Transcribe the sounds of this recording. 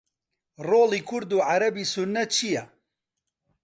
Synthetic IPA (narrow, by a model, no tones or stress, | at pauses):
roːliːkʰʊɾd̪uːʕaɾɐbiːsunːɐt̪̚t͡ʃʰijɛ